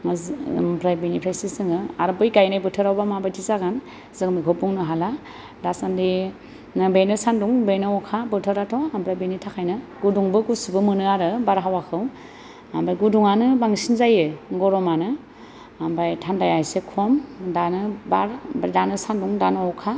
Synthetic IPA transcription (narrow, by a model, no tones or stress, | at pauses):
zmpʰɾajbenipʰɾasisɯŋɯaɾɯbɯjɡajnajbɯtʰɯɾawbamabajtʰizaɡan | zɯŋmikʰɔbuŋnɯɦala | dasandi | nɯbejnɯsanduŋbejnɯɔkʰabɯtʰɯɾatʰɔampʰɾajbinitʰakʰajnɯɡuduŋbɯɡusɯbɯmɯnɯaɾɯbaɾɦawakʰɯw | ambajɡuduŋanɯbaŋsinzajɯɡɔɾɔmanɯ | ambajtʰandajajsekʰɔmdanɯbaɾbajdanɯsanduŋdanɯɔkʰa